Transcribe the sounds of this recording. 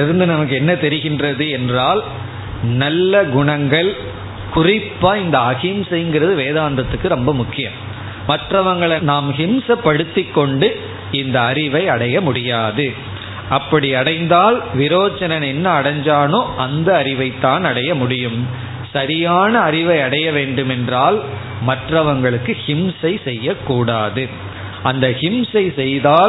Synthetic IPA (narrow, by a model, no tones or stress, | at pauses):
ɪɾɯnd̪ɯnɐmɐk̬ːɯɛnːɐt̪ɛɾɪɣɪndrɐðɯɛndraːl | nɐlːɐɡʊɳɐŋɡɐɭ | kʊrɪpːaːɪnd̪ɐɐɣɪmsɐŋɡɪɾɐðɯʋeːðaːnd̪ɾɐt̪ːɯkːɯɾɔmbɐmʊkːɪjɐm | mɐʈːrɐʋɐŋɡɐɭɐnaːmhɪmsɐpːɐɽɯt̪ːɪkːɔɳɖɯ | ɪnd̪ɐɐɾɪʋɐɪɐɽɐjɐmʊɽɪjaːðɯ | ʔɐpːɐɽiɐɽɐɪnd̪aːlʋɪɾoːt͡ʃːɐnɐnɛnːɐːɽɐɲd͡ʒaːnoːʔɐnd̪ɐːɾɪʋɐɪt̪ːaːnɐɽɐjɐmʊɽɪjɯm | sɐɾɪjaːnɐːɾɪʋɐɪɐɽɐjɐʋeːɳɖɯmɛndraːl | mɐʈrɐʋɐŋɡɐɭɯkːɯhɪmsɐɪsɛjːɐkːuːɽaːðɯ | ʔɐnd̪ɐhɪmsɐɪsɛjðaːl